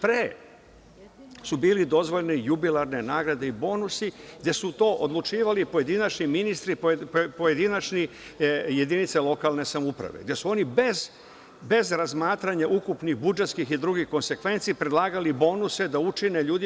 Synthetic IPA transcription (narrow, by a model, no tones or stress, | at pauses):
pɾeː | subiːlid̪o̞zʋo̞ʎnijubilaɾne̞naːɡɾad̪e̞ibo̞ːnusiɡd̪je̞sut̪o̞ːʔod̪lˠut͡ʃiːʋalipoje̞d̪inat͡ʃɲiminist̪ɾippoje̞d̪inat͡ʃɲi | je̞d̪init̪selo̞kalˠne̞samupɾa̰ʋḛɡd̪ʲje̞suo̞nibez | be̞zɾazmaːt̪ɾaɲaʔukupnixbud͡ʒet̪skixid̪ɾuɡihko̞nse̞kʋe̞nt̪siːpɾed̪lˠaːɡalibo̞ːnuse̞d̪aut͡ʃine̞ʎuːd̪i